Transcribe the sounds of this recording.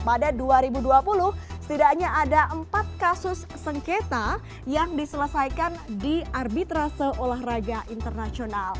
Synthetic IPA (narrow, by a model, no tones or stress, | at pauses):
padaduaɾibuduapulʊhsə̥t̪idakɲaʔːdaʔəmpat̪̚kasʊsːəŋket̪a | jaŋdisələsajkandiarbit̪ɾasəolaɦrad͡ʒaʔint̪ərnasional